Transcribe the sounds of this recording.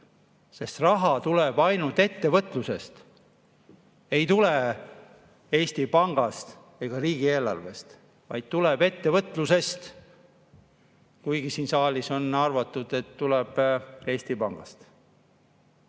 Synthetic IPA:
se̞st̪rɑɦɑt̪uleb̥ɑjnult̪e̞t̪ːe̞vɤt̪ːˑluse̞st̪ | e̞jt̪ule | e̞ːsʲt̪ipɑŋɡ̥ɑst̪ | eɡ̥ɑriːɡ̥ie̞ːlɑ̰rve̞st̪ | vɑ̰jd̪̥̚t̪uleb̥e̞t̪ːe̞vɤt̪ːˑluse̞st̪ | kujɡisiːnsɑːlʲiso̞nɑrvɑt̪ːˑud̪̥e̞t̪ːulɛb̥e̞ːsʲt̪ipɑŋɡ̥ɑst̪

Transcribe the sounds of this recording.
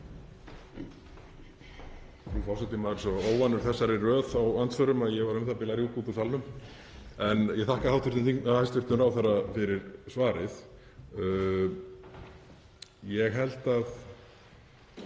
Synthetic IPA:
ufawsɛt̪ːɪmaðɾsɔoːwvanːʏɾ̥θɛsːaɾɪrœːθawant̪sœɾʏmaðjɛɣvaɾʏmθapɪlaɾɣʏkuːðʏsalnʏm | ɛnjɛɣθahkahawt̪vɪɾt̪ʏnθiŋnahajst̪vʏɾ̥t̪ʏmɾaːwθaɾːafɪɾɪɾsvaːɾɪθ | jɛɣɦɛl̥t̪að

